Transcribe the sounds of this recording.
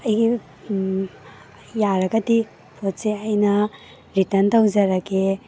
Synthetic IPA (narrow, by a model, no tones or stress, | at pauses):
ɐjɡi | jaɾɐɡɐdi | pʰotseɐjnɐ | ɾitɐntawd͡ʒɐɾɐke